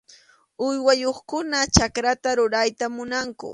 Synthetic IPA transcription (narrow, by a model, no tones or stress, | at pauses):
ʊjwajoχkʊnat͡ʃakɾat̪aɾʊɾajt̪amʊnaŋkʊ̰